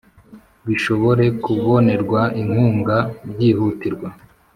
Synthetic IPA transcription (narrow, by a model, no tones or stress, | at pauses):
βiʃo̞βo̞ɾe̞kuβo̞ne̞ɾɡwaiŋ̥huːŋɡabɟiːhutiɾɡwa